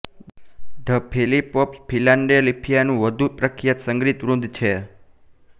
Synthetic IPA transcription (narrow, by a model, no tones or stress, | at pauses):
ɖʱəpʰelipɔpspʰilaɳɖelipʰijanũʋəd̪ʱupɾəkʰijat̪səŋɡɾit̪ʋɾũnd̪ʱt͡ʃʰe